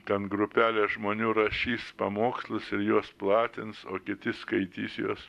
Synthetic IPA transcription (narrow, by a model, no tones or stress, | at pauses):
t̪ʲɛnɡɾʊpʲæːlʲeːʒmoːnʲuːɾɐʃʲiːspɐmoːkslˠʊsɪɾjuɔsplˠɑːt̪ʲɪnsoːkʲɪt̪ʲɪskɐɪt̪ʲiːsjuɔs